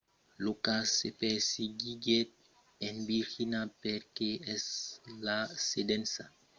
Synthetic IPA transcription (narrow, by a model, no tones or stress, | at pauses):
lokasepeɾsiɡiɡet̪̚ | enbixinapeɾkeɛslasedensa